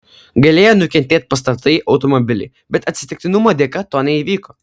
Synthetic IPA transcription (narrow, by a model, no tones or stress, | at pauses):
ɡɐlʲeːjoːnʊkʲɛnʲt̪ʲeːt̪̚pɐs̬t̪ɐt̪ɐɪʔɐʊt̪ɔmɔbʲɪlʲɪ̰ɪ | bʲɛt̪ɐt̪ʲsʲɪ̥t̪ʲɪk̚ʲt̪ʲɪnʊmoːd̪ʲekɐt̪oːnʲɛiːʋʲiːko